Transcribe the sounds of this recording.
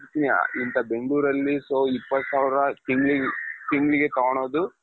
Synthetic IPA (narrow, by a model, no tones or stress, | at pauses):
t̪inḭint̪ɐbe̞ŋɡɭuːɾɐlːisoːipːɐt̪ːsaːʋiɾɐʈiŋɡɭiʈ̪iŋɡɭiɡet̪ɐɡɐɳoːd̪u